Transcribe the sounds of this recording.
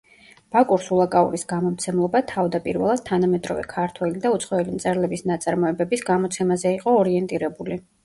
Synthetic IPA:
b̥akʼuɾsulˠakʼaṵɾisɡamɔmt̪sʰɛmlˠɔbat̪ʰavd̪apʼiɾvɛlˠad̪̥̚t̪ʰanamɛd̪ɾɔ̰vɛ̰kʰaɾt̪ʰwɛlid̪aut̪sʰχɔɛlimt̪sʼɛɾlɛbisnat̪sʼaɾmɔɛbɛbisɡamɔt̪sʰɛmazɛiqʼɔːɾiɛnt̪ʼiɾɛbuli

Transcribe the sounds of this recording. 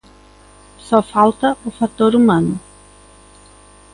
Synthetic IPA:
sɔfawt̪ɐʊfat̪oɾumɐ̃nʊ

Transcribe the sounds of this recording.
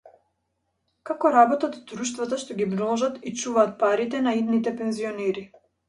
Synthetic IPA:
kakɔɾabɔt̪at̪d̪ɾuʃt̪vat̪aʃt̪ɔɡʲibɾɔlˠɔʒat̪it͡ʃuvaːt̪̚paɾit̪ɛnaid̪nit̪ɛpɛnziɔnɛɾi

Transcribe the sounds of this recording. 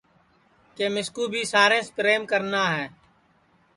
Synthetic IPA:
keːmɪskuːbʱiːsaːɾẽːspɾeːmkəɾnaːɦɛː

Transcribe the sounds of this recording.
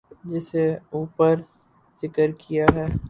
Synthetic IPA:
d͡ʒɪseuːpəɾ | z̥ɪkəɾkijaɦɛː

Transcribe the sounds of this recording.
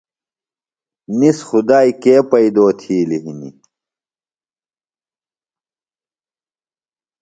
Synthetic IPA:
nisxud̪aːikeːpɐid̪oːt̪ʰiːliɦinḭ

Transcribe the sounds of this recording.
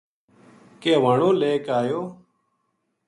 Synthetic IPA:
keːʋaːɳoːleːkaːjoː

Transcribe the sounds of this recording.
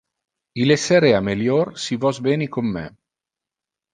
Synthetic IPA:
ileseɾeameljorsivɔzbɛːnikomːɛ̰

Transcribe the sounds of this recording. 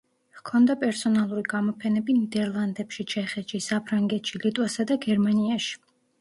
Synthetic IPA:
hkʰɔnd̪apʼɛɾsɔnalˠuɾiɡamɔpʰɛnɛbinid̪ɛɾlˠand̪ɛpʃit͡ʃʰɛχɛt̪ʃisapʰɾaŋɡɛt̪ʃilit̪ʼwasad̪aɡɛɾmaniaʃi̥

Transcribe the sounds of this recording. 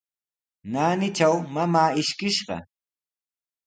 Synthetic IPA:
naːnɪt͡ʃawmamaːɪʃkɪʃɢɑ̰

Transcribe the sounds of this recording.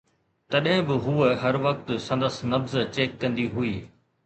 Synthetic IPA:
t̪ɐɗɦɪ̃bɪɦuːɦɐɾʋɐk̚t̪sɐ̃nd̪əsnɐfzt͡ɕeːkːɐ̃nd̪iɦuiː

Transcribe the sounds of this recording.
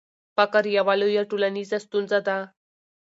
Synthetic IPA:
pakəɾjaʋalojaʈulaniːd͡zast̪uːnd͡zat̪a

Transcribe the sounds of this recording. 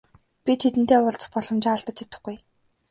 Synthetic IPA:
pʲit̪ʰet̪ɘ̆n̥t̪eːʊɮt͡s̆χpɔɮɞ̆mt͡ɕɪaɮt̪ə̆t͡ɕit̪ə̆χɡuj

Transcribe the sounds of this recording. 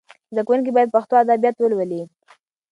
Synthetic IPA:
zd̪akwunk̬ibɑjad̪̚paxt̪oad̪abjat̪wəlwəli

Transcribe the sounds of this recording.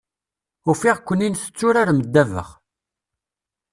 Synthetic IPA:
ʊfiʁkʷːənːinθə̥t͡sːʊɾaɾməd̪ːævə̰χ

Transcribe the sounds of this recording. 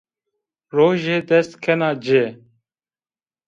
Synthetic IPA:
ɾoːʒeːd̪ɛst̪kʰenaːd͡ʑeː

